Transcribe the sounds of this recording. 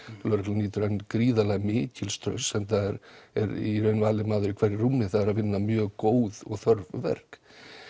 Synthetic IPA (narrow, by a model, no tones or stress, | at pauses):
lœɾklniːt̪ʏɾankɾiːðalɛɣmɪːcɪlst̪ɾœ̰ɥnsɛmθaðɛɾɛ̰ɾḭɾœɥnvaːlɪmaːðʏɾikʰv̥ɛɾɪrumːɪθaðɛɾaðvɪnːamjœːɣkoːwðɔɣθœɾvvɛ̰r̥k